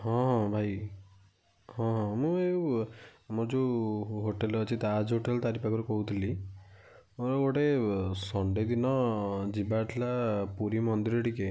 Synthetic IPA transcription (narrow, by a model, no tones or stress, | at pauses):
ɦɔ̃ɦɔ̃bʱaj | hɔ̃ɦɔ̃mũew | mod͡ʒuɦoʈelɔt͡ʃʰit̪ad͡ʒɦoʈelt̪aɾipakʰɔɾukɔɦut̪ʰili | oɾɔoʈesɔɳɖed̪inɔd͡ʒibaʈʰilapuɾimɔnd̪iɾɔʈike